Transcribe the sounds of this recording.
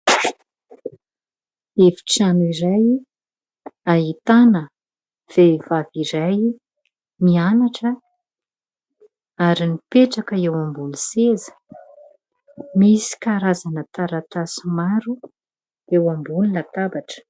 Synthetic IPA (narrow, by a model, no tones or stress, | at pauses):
efi̥ʈ͡ʂanuiɾaj | aɦit̪anə | v̥evaviɾaj | mianaʈ͡ʂə | aɾinipeʈ͡ʂakəewambulusezə̥ | misi̥kaɾazanət̪aɾat̪asimaɾu | ewambulilat̪abaʈ͡ʂə̥